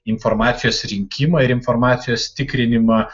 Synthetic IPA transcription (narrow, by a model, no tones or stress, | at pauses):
ɪnfɔɾmɑːt̪sʲɪjoːsɾʲɪŋʲkʲɪmɐɪɾɪnfɔɾmɑːt̪sʲɪjoːst̪ʲɪkɾʲɪnʲɪmɐ